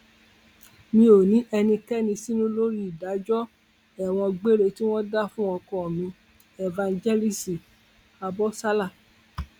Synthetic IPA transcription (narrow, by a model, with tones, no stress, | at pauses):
mĩ˦o˨nĩ˨˦ʔɛ˧nĩ˧kɛ˦nĩ˧si˦nũ˦lo˦ɾi˦˨da˨˦d͡ʒɔ˦ | ɛ˦˨w̃ɔ̃˧ɡ͡be˦ɾe˧ti˦w̃ɔ̃˦da˦fũ˦ɔ˧kɔ̃˦ɔ˨mĩ˧ | ɛ˨vã˧nd͡ʒɛ˦li˦si˨ | a˧bɔ˦sa˦la˦˨